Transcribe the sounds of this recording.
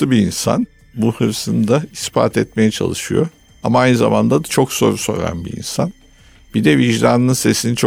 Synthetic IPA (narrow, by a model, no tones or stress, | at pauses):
ɯbiːnsa̰n | buhɯɾsɯnd̪aispa̰ːt̪ʰɛt̪̚me̞jɛt͡ʃʰa̰lˠɯʃɯjo̰ | amaajnɯza̰mand̪ad̪at͡ʃʰo̞kso̞ɾso̞̰ɾa̰nbḭḭnsan | bid̪ɛviʒd̪aːnɯɯnse̞sinit͡ʃʰo